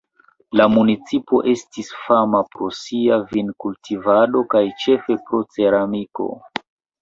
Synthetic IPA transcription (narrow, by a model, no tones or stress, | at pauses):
lamunit͡sipo̞ʔe̞stisfamapɾo̞siavinkultʰivado̞kajt͡ʃe̞fe̞pɾo̞t͡se̞ɾamiko̞̰